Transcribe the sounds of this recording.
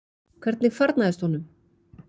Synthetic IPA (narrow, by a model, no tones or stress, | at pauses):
kʰɛɾt̪nɪkfaɾt̪naɛst̪hɔnʏm